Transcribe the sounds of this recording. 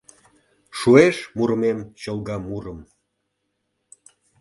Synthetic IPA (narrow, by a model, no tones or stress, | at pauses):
ʃueʃmuɾmemɕəlˠɣɑmuɾəm